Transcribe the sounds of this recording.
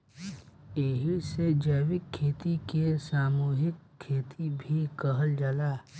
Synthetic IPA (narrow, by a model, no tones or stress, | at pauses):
eɦised͡ʒəːwɪkʰːeːt̪ikesaːmuːɦɪkʰːeːt̪ʰibʱikəɦəld͡ʒalaː